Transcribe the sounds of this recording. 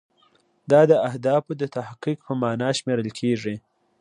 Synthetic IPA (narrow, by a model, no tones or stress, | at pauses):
d̪ɑd̪əahd̪ɑfod̪ət̪ahqik̚pəmɑnɑʃmeɾəlkʰeʐi